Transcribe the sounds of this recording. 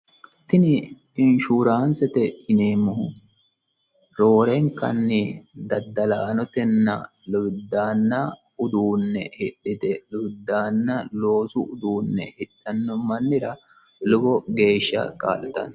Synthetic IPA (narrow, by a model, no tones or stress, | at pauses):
t̪ɪnɪ | ɪnʃuːɾaːnsɛt̪ɛɪneːmʊhʊ | ɾo̞ːɾɛŋkɐ̰nːɪd̪ɐd̪ːɐlaːnɔt̪ɛnːɐ̰ | lʊd̪aːnːɐ | ʊd̪uːnːɛ̰hɪɗːɪt̪ɛlʊɡd̪aːnːɐloːsʊʔʊd̪uːnːɛ̰hɪɗːɐnːɔmɐnːɪɾɐ | lʊbɔɡe̞ːʃːɐ̰kʼa̰ːlɛt̪ɐ̰n